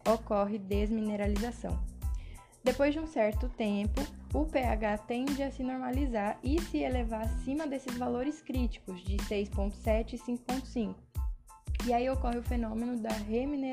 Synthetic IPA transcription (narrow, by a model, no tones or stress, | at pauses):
okɔɦɪd̪ezmineɾalizasɐ̰̃w̃ | d̪epojzd͡ʒɪũsɛɾt̪ʊt̪ẽpʊʊpeaɡat̪ẽd͡ʒɪɐsɪnoɾmalizaɾɪsɪelevaɾasĩmɐd̪esɪzvaloɾɪskɾit͡ʃi̥kʊzd͡ʒɪsejspõnt̪ʊ̥sɛt͡ʃɪsĩŋkʊ̥põt̪ʊ̥sĩkʊ̥ | iaiokɔɦɪʊfenõmẽnʊd̪ɐɦemine